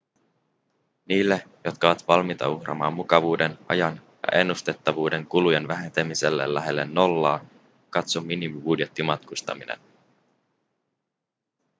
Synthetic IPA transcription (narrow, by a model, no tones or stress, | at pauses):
niːlːejo̞t̪kɑʋɑt̪ʋɑlmit̪ɑ̰uxrɑ̰mɑ̰ːmːukɑʋuːdenʔɑ̰jɑnjɑ̰ʔe̞nːust̪e̞t̪ːɑʋuːde̞ŋkulujenʋæɦe̞nt̪e̞mise̞lːḛlːæɦe̞lːe̞nːo̞lːɑː | kɑt̪somːinimibudje̞t̪ːimɑt̪kust̪ɑ̰minḛn